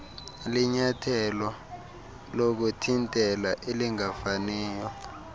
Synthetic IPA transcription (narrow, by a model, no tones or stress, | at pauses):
liɲatʰɛlɔ | lok̬utʰintʼɛlaʔeliŋafaniːjɔ